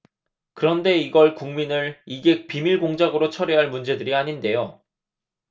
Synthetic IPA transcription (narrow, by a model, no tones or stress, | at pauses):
kɯɾʌnde̞iɡʌɭkuŋminɯɭiɡe̞k̚pimiɭɡoŋd͡ʑaɡɯɾot͡ɕʰʌɾeɦaɭmund͡ʑe̞dɯɾiaɲinde̞jo